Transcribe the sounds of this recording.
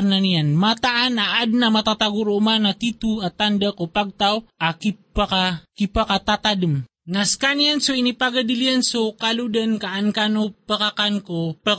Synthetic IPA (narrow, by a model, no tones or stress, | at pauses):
nanijanmat̪aʔanaʔad̪̚namat̪at̪aɡuɾumanat̪it̪uat̪and̪akopaɡ̚t̪awʔakipakakipakat̪at̪adəm | naskanijansoinipaɡad̪iliansokalud̪ankaʔankanopakakankopa